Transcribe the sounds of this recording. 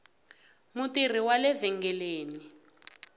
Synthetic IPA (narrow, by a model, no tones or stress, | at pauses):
mutir̤iwalɛvɛŋɡɛleːni